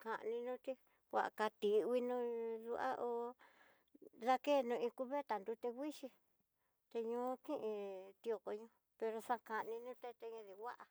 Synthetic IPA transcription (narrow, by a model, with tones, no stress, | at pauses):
ka˨ʔnĩ˧nũ˦t̪i˦ | wʷa̰˧ʔa̰˨ka˧t̪i˧wi˧nũ˧˦ðu˧ʔa̰˦ʔo˧ | ða˧ke˦˨nũ˧ĩ˧ku˧βe˦t̪a˨nd̪u˧t̪e˧wʷi˦ʃi˧ | t̪e˧ɲũː˧˦kĩ˦ʔĩ˧t̪i˧o˧ko˧ɲũ˧ | pe˧ɾo˧sã˦˧ka˧ʔnĩ˧nũ˦t̪e˧t̪e˧ɲĩ˧ði˧wa˦ʔa˨